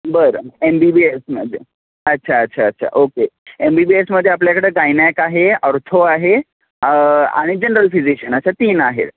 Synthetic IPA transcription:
bəɾembibiesməd̪ʱe | ətːɕʰaətːɕʰaːtːɕʰa̰ʔokeembibiesməd̪ʱːjeapljakəɽeːɡajnjajkaɦeəɾt̪ʰoaɦe | a̰ɽ̃id͡ʑenəɾəlfid͡ʑiɕənətːɕʰat̪iːnaɦḛt̪

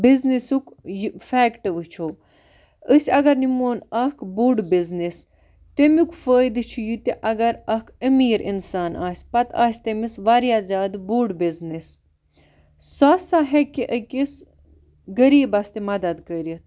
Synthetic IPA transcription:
biznisukjfɛːkʈɨʋɨt͡ʃʰo | əsʲɐɡɐɾnimoːnɐkʰbuɖbiznis | t̪emukfəːjd̪ɨt͡ʃʰujut̪iʔɐɡɐɾɐkʰəmiːɾʔḭnsaːnaːsʲpɐt̪a̰ːsʲt̪emisʋaɾjazʲaːd̪buɖbiznis | sɐsaːɦekiʔəkʲis | ɡəɾiːbɐst̪imɐd̪ɐd̪kəɾit̪̚

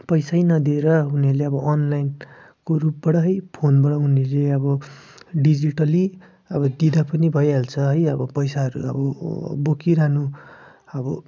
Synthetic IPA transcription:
pʌjsajnʌd̪ieɾʌɦuniʌɾleʌbʌʌnlajn | korup̚bʌɽʌɦʌjpʰonbʌɽʌɦunʌɾleʌbʌɖid͡ziʈʌli | ʌbʌd̪id̪apʌnibʱʌjɦelt͡sʰʌɦʌjʌbʌpʌjsaɦʌɾṵʌ̰bʌbokiɾanu | ʌbʌ

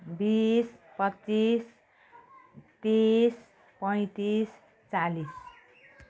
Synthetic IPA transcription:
bispʌtːt͡sis | t̪is | pʌj̃t̪is | t͡salis

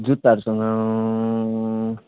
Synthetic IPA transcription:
d͡zut̪aɾusʌŋɡʌ

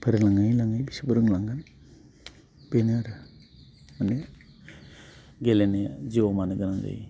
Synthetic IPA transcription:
pʰeɾelaŋajlaŋajbisibɯɾɯŋlaŋɡan | beneɾ | mane | ɡelened͡ʒiwɔmaneɡanaŋd͡ʒa̰j

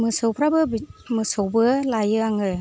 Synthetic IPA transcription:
mɯsɯwpʰɾabɯbmɯsɯwbɯlajɯaŋɯ

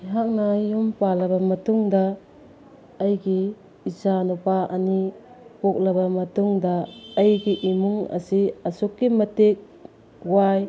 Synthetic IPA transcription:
ɦak̚najumpalɐbɐmɐtuŋdɐ | jɡiː | sanupaʔɐni | pok̚lɐbɐmɐtuŋdɐːjɡiʔimuŋɐ̰siɐsukːimɐtek̚ | waj

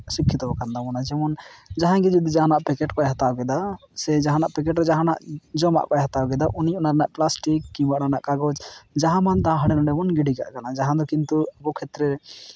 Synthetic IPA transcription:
sikʰːit̪ɔbɔkand̪amɔnad͡ʒɛmɔnd͡ʒaɦãɡid͡ʒud̪id͡ʒaɦanaʔpɛkɛʈkɔɛɦat̪awɡɛd̪a | sɛd͡ʒaɦãnaʔpɛk̬ɛʈɾɛd͡ʒaɦãna̰ʔd͡ʒɔma̰ʔkɔɛɦat̪awɡɛd̪aʔuniɔnaɾɛnaʔplasʈikːibaʔɽanaʔkaɡɔd͡ʒd͡ʒaɦãmant̪aãɦaɽɛnɔɳɖɛmɔnɡiɖiɡa̰ʔkanad͡ʒaɦãd̪ɔkint̪uəbɔkʰɛt̪ɾɛ

